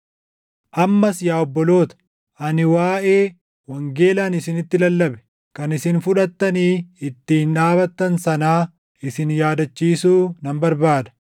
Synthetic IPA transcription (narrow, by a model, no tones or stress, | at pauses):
ʔɐmːɐsjaːɔbːɔlo̞ːt̪ɐ̥ | ʔɐnɪwaːʔe̞ː | wɐŋɡe̞ːlaːnɪsɪnɪt̪ːɪlɐlːɐbɛ̥ | kɐnɪsɪnfʊᶑɐt̪ːɐniːɪt̪ːiːnᶑaːbɐt̪ːɐnsɐnaː | ɪsɪnjaːd̪ɐt͡ʃːiːsuːnɐmbɐɾbaːd̪ɐ̥